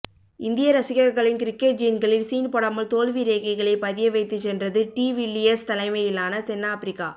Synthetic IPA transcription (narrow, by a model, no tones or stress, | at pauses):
ɪnd̪ɪjɐɾɐsɪɣɐɣɐɭɪnkɪɾɪkːeʈ̚d͡ʒɪnɡɐɭɪlsiːnpɔɽɐmɐlt̪oːlʋiɾeːɣɐɪɣɐɭɐɪpɐðɪjɐʋɐɪt̪ːɯt͡ʃːɛndrɐðɯʈiːʋɪlːɪɛst̪ɐlɐɪmɐjɪlːaːnɐt̪ɛnːaːpɪɾɪkːaː